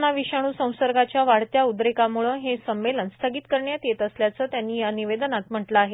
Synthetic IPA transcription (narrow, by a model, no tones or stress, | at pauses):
naʋiɕaɽ̃uːsə̃w̃səɾɡat͡ɕjaʋaɽt̪jaud̪ɾekamuɭəɦesəmʋelənst̪ʰəɡiːt̪kəɾɳjat̪jet̪əsljat͡səːt̪janːiːjaniʋed̪nat̪m̤əʈləːɦe